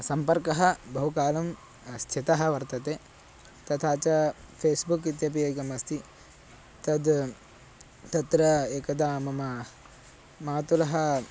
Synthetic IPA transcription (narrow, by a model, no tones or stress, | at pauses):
sɐmpɐɾkɐɦɐbɐɦukaːlɐm | ɐst̪ʰit̪ɐɦɐʋɐɾt̪ɐt̪e | t̪ɐt̪ʰaːt͡ʃɐpʰeːsbukit̪jɐp̬ieːkɐmɐst̪ʰi | t̪ɐd̪ | t̪ɐt̪ɾɐeːkɐd̪aːmɐmɐ | maːt̪ulɐɦɐ